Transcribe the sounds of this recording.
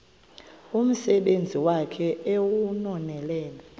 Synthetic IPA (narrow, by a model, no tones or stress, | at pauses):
um̩sɛɓend͡zʱiwakʰɛewunɔnɛlɛːna